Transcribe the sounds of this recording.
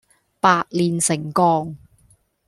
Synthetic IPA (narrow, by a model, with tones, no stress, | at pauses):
paː˧t̚liː˨˩nsɪ˨˩ŋkɔː˧ŋ